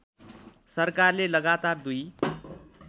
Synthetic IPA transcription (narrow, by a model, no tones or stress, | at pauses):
sʌrkarlelʌɡat̪ard̪uj